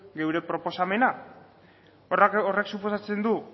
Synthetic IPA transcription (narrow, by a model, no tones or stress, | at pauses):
ɡe̞wɾe̞pɾo̞po̞same̞na | oreksupo̞sat͡se̞nd̪u